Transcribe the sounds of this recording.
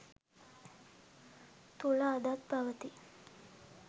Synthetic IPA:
t̪olaəd̪at̪paʋt̪iː

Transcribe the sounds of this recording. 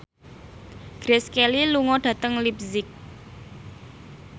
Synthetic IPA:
ɡ̥ɾeskeliluŋɔɖ̥ä̤t̪əŋlipzɪk̚

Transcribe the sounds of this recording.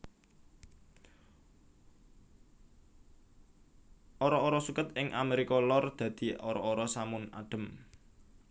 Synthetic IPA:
ʔoɾɔːɾɔsukət̪ɪŋʔa̰meɾikɔlɔrd̪̥ä̤d̪̥i̤oɾɔoɾɔsamʊna̰ɖ̥ə̤m

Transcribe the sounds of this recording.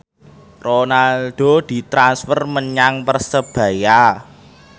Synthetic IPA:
ronalɖ̪̥o̤d̪̥i̤t̪ɾansfərməɲaŋpərsəb̥ä̤ja

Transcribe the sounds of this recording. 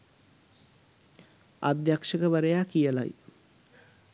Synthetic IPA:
a̰d̪jakʂəkəʋaɾejaːkijəla̰j

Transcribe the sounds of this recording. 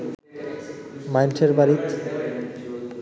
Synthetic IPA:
majnseɾbaɾit̪

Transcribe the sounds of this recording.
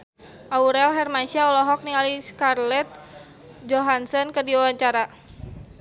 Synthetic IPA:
ʔauɾɛlɦɛrmanʃiaɔlɔɦɔk̚niŋaliskarlɛt̪̚ | d͡ʒɔɦansɔnkədiawaɲt͡ʃaɾa

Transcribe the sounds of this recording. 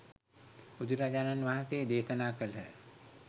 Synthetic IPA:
ud͡ʒuɾaːd͡ʒaːnanʋaːɦat̪eːd̪eːsənaːkəlɦɛː

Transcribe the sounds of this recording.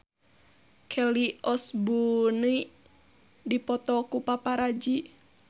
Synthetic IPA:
kʰɛliɔsbuni | dipɔt̪ɔkupapaɾad͡ʒi

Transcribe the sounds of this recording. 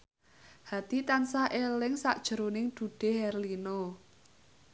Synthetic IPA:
had̪̥it̪ansaʔelɪŋsa̰ʔd̥ʒ̥ə̤ɾonɪŋd̪̥ṳɖ̥e̤ɦɛrlino

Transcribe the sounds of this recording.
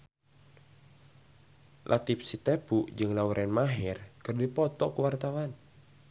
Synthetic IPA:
lʔa̰t̪ip̚sit̪epuʔd͡ʒɨŋlauɾʔɛnmaɦɛrkɨrdipɔt̪ɔkuwart̪awan

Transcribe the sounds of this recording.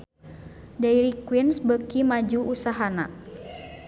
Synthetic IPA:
dajɾikwinsbəkimad͡ʒuʔusaɦana

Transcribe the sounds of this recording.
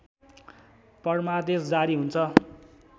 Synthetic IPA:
pʌrmad̪esd͡zaɾiɦunt͡sʰʌ

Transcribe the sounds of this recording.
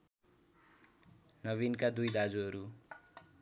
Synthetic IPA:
nʌβinkad̪ujd̪ad͡zuɦʌɾu

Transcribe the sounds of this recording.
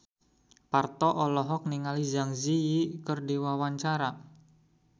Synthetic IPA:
part̪ɔʔɔlɔɦɔk̚niŋalid͡ʒaŋzijikərdiwawaɲt͡ʃaɾa

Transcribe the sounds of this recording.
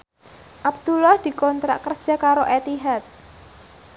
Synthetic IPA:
ʔab̚d̪̥ulahd̪̥i̤kɔnt̪ɾa̰ʔkərd̥ʒ̥a̤kaɾoʔet̪iɦat̪̚

